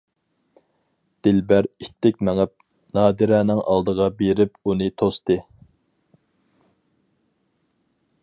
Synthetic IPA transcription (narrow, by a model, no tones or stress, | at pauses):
d̪̥ɪlbæɾit̪ːɪkʲmɛŋɛp̚ | nɑːd̪ɨɾɛːnɪŋʔɑ̰lˠd̪əʁɑbeɾɪpunɨt̪ʰost̪ɨ